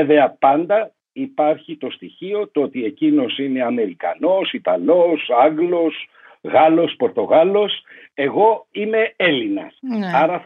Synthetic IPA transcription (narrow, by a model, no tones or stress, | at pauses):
eve̞ɐpɐnd̪ɐ | ipɐɾçit̪o̞st̪içio̞t̪oot̪ie̞cino̞sine̞ɐme̞ɾikɐ̰no̞sit̪ɐlo̞sɐɡlo̞s | ɣɐlo̞spo̞ɾt̪o̞ɣɐlo̞s | e̞ɣo̞ime̞e̞linɐ̰sɐɾɐf